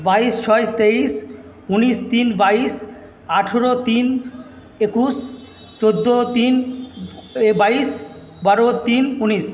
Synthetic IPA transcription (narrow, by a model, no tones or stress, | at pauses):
baist͡ɕʰɔet̪eis | unist̪inbais | aʈʰoɾot̪in | ekus | t͡ɕod̪ːot̪in | bais | baɾot̪inunis